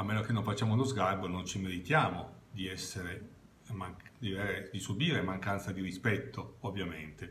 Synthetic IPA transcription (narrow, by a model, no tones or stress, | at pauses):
almːeːnok̟enːoɱfat͡ʃːaːmounozɡarbonont͡ʃimeɾit̪jaːmod̪iɛsːeɾe | maŋd̪iveɾed̪isubiːɾemaŋkant̪sad̪iɾispɛt̪ːoovːjament̪e